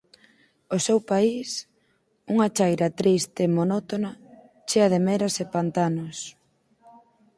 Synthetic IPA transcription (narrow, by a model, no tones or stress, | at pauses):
osewpais | uŋɐt͡ʃajɾɐt̪ɾist̪emonɔt̪onɐ | t͡ʃeɐðemeɾɐsepant̪anʊs